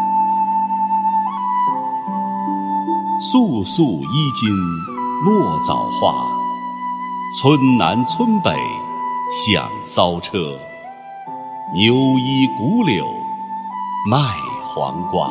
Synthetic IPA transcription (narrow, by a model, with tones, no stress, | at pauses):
su˥˧su˥˩i˥t͡ɕi˥n | lwɔ˥˩t͡sɑ̰˨˩ʊxwa̰˥˩ | t͡sʰwə˥nna˧˥nt͡sʰwə˥npe˨˩˦ɪɕjɑ̰˨˩ŋsɑ˥ʊʈ͡ʂʰɤ˥ | njo˧˥ʊi˥ku˧˥ljo˨˩ʊ | ma˥˩ɪxwa̰˧˥ŋkwa̰˨˩˦n